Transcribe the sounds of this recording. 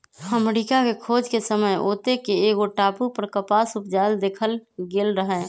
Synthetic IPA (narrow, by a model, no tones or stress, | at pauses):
əmɾikakekʰoːd͡ʒkesəməjoːt̪ekeeːɡoʈaːpupəɾkəpaːsʊp̚d͡ʒaːld̪eːkʰəlɡeːlɾəɦɛ